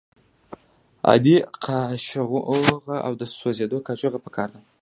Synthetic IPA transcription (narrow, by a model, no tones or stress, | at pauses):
a̰d̪iqʰaʃɣoɣaʔa̰wd̪əswozed̪okat͡ʃoɣapə̥kʰɑɾd̪a